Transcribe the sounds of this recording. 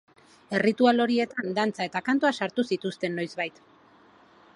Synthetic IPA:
e̞rit̪ualo̞ɾie̞t̪and̪ant͡saet̪akant̪oasaɾt̪usit̪ust̪e̞nːo̞jzβajt̪

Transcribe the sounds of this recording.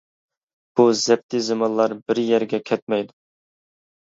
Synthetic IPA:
b̥uzɛp̚t̪ʰɪzɨmɑnlˠɑɾbɪɾjɛɾɡʲɛkʲʰɛt̪̚mɛjd̪u

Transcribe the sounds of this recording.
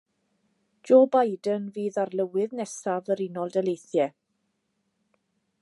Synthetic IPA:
d͡ʒoːbajdənviːðarlˠəwɨðnɛsavəɾɪnɔlˠdɛlejθjɛ

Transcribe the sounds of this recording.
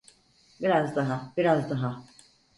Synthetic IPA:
biɾazd̪aɦabiɾazd̪aɦa

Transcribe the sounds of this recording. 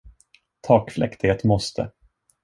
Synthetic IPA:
t̪ʰɑːkflʔɛ̰kt̪ɪheːt̪mɔst̪ʰə̰

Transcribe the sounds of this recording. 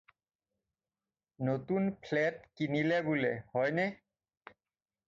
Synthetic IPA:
not̪unpʰleʈkinilebulehɔjne

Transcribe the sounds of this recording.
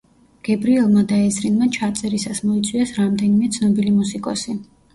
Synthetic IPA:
ɡ̥ɛbɾiɛlˠmad̪aɛzɾinmat͡ʃʰat̪sʼɛɾisasmɔit̪sʼwiɛsɾamd̪ɛnimɛt̪sʰnɔbilimusikʼɔsi

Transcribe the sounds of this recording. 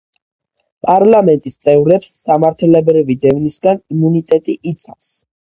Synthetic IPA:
pʼaɾlamɛnt̪ʼist̪sʼɛvɾɛpsːamaɾt̪ʰɛlɛbɾivid̪ɛvnisɡanimunit̪ʼɛt̪ʼiʔːt̪sʰa̰fs

